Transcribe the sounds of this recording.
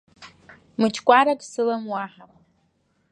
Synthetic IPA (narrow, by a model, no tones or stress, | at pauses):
mɨt͡ʃʰʼkʷʼaːɾadsɨlamwaːħap